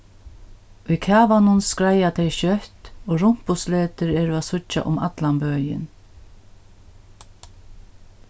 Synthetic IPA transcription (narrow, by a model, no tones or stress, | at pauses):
ikʰaːvanʊnskɾajat̪ʰɛjʃœht̪oːɾʊm̥pʊsleːt̪ɪɾɛːɾʊasʊt͡ʃːa̰ʔʊma̰t̪lambœːjɪ̰n